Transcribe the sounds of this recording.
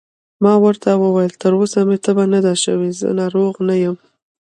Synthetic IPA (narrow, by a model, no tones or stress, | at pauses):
mɑwəɾt̪awəwajəlt̪əɾosamet̪əbanad̪aʃə̰wezə̰nɑɾoɣnajəm